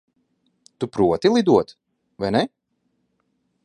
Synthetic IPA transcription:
t̪upɾuɔt̪ilˠid̪uɔt̪ | vajnɛ

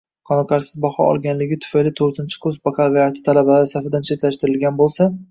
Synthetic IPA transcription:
qʰɒnɑqɑɾsɪzbɒχɒ̰ʔɒ̰lˠɡʲanlɪɡʲɪt̪ʰʊ̥fajlɪt̪ʰɵɾt̪ʰɪnt͡ʃʰɪ̥kʰɵzpakʰavijaɾt̪ʰɪ̥t̪ʰalabalaɪsafɪd̪ant͡ʃʰe̞t̪laʃt̪ɪɾɪlɡʲanbolˠsa

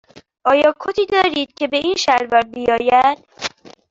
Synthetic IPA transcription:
ʔɒːjɒːkʰot̪ʰiːd̪ɒːɾiːd̪̥̚cʲʰe̞be̞ʔiːnʃæɾvɒɾbijɒːjæd̪̥

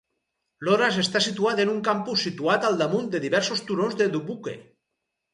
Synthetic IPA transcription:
loɾasest̪asit̪uaðenuŋkampusːit̪uat̪alˠd̪amund̪eðiβɛɾsost̪uɾonzðed̪uβukḛ

